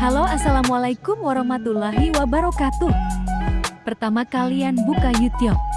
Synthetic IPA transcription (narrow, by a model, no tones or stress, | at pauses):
haloasalamwalajkʊmwaɾɔhmat̪ulaɦiwabaɾɔkat̪ʊh | pərt̪amakalianbukajut̪iʊp̚